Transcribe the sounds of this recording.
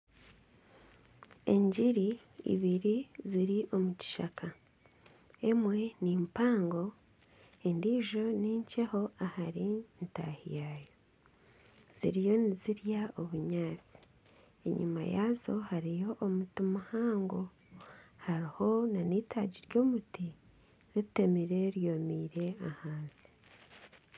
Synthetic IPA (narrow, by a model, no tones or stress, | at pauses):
e̞̰ɲɟiɾi | ḭβiɾiziɾiʔo̞muci̥ʃa̰kʰa | e̞mwe̞niːmpaːŋɡo̞ | endiːʒo̞niːɲceho̞ahaɾinta̰hḭjajo | z̥ḭɾijo̞niziɾjaoβuɲaːt͡si̥ | ḛɲṵma̰jaːzo̞haɾijo̞ʔːmutimahaːŋɡo̞ | haɾiho̞naniːtʰaːɟiɾjo̞ːmuti | ɾitemiɾe̞ɾjo̞miɾe̞ahaːnzi̥